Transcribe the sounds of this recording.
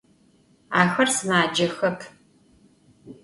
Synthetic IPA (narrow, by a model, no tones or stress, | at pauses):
aːxɐrsɨnaːd͡ʒɐxɐpʰ